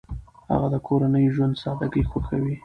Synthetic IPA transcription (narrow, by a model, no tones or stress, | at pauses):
ha̰ɣad̪əkʰoɾanəjʒwand̪sɑd̪aɡəjxoxawi